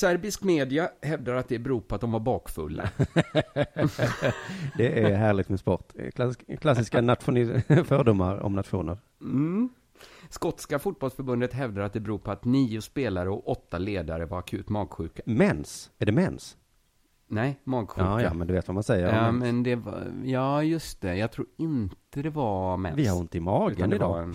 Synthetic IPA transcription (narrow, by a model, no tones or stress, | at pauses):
sæɾbɪskmeːd̪ɪahɛvd̪aɾat̪̚d̪ɛbɛɾuːpʰɔat̪̚d̪ɔmvaɾbɑːkfɵ̰lːa̰ | d̪ɛʔæɾɦæːɾɭɪɡ̚t̪mɛspɔɾt̪kʰlakʰlasɪskanat̪ɧʊnɪfœːɖ̪ʊmːaɾɔ̰mnat̪ɧṵːnəɾ | skɔt̪skafʊt̪̚bɔlsfœɾbɵnd̪ət̪ɦɛvd̪əɾat̪̚d̪ɛbɛɾuːɾpʰɔat̪niːʊspeːlaɾəɔkɔt̪ːaleːd̪aɾəvaɾakʰʉ̟ːt̪mɑːɡɧʉ̟ːkamɛnsæɖɛmɛns | nɛjmɑːɡɧʉmɛ̰nd̪ɵveːt̪vamansɛjːəɾmɛnd̪ɛv̰jɑːjɵst̪ɛjɑɡt̪ʰɾuːɾɪnt̪əd̪ɛvamɛ̰nvɪhaɾɪnt̪əɪmɑːɡʉəanɪd̪ɑ̰ːn